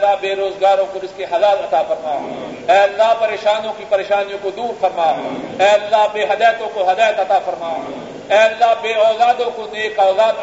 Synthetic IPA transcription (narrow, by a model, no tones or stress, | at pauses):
abeːɾoːzɡaːɾõkoɾɪskeɦɐlaːlɐt̪aːfɐɾmaː | ɛːɐlːaːɦpɐɾeːʃaːniõkipɐɾeːʃaːnijõkod̪uːɾfɐɾmaːɛːɐlːaːbeːɦɐd̪aːjt̪õkoɦɐd̪aːjət̪ɐt̪afɐɾmaː | ɛːɐlːaːɦbeːɔːlaːd̪õkoneːkɔːlaːd̪